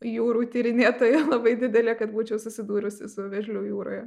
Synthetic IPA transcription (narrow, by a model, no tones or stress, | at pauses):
juːɾuːt̪ʲiːɾʲɪnʲeːt̪oːjlˠɐbɐɪd̪ʲɪd̪ʲɛlʲeːkɐt̪buːt͡ʃʲɛʊsʊsʲɪd̪uːɾʲʊsʲɪ̰sʊʋʲɛʒʲlʲʊjuːɾo̰ːjɛ